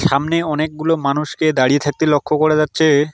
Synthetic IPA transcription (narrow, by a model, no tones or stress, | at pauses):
ʃamneɔnek̚ɡulomanuʃked̪aɽijet̪ʰak̚t̪elokʰːokoɾed͡ʑatːɕʰe